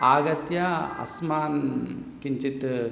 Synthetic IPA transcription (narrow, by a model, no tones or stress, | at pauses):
aːɡɐt̪jaɐ̰smaːnkiɲt͡ʃit̪